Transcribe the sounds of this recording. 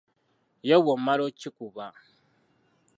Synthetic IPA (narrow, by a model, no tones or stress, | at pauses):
jawomːaɾot͡ʃːikuba